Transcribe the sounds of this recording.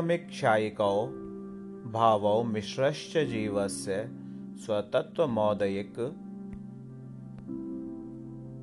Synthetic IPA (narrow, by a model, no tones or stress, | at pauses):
mikʃaːjikɐw | bʱaːʋɐwmɪʃɾɐʃt͡ʃɐd͡ʒiːʋɐsjɐ | swɐt̪ɐt̪ʋɐmɔːd̪ɐjik